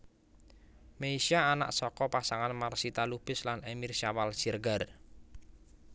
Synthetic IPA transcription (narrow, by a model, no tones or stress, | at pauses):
meisiaːna̰ʔsɔkɔpasaŋanmarsit̪alub̥ɪ̤slanemirsawalsirɡar